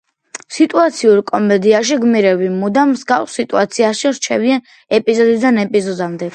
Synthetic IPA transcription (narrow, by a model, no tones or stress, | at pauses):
sit̪ʼuat̪sʰiuɾkʼɔmɛd̪iaʃ̬iɡmiɾɛbimud̪amsɡafsːit̪ʼuat̪sʰiaʃiɾt͡ʃʰɛvian | ɛpʼizɔd̪id̪anɛpʼizɔd̪amd̪ɛ